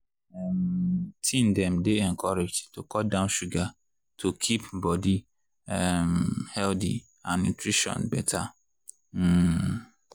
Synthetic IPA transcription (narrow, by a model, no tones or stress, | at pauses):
ɛmtʰĩndɛ̃mdeɛ̃nkʰɔɾed͡ʒtʰokʰɔdãʊ̃nʃuɡa | tʰokʰipbɔdi | ɛmhɛldḭ | ãnːutʰɹiʃɔ̰̃nbɛtʰa